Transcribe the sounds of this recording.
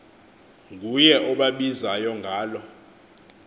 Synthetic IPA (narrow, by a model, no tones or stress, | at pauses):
k̬ujɛʔɔɓaɓizajɔŋɡʱaːlɔ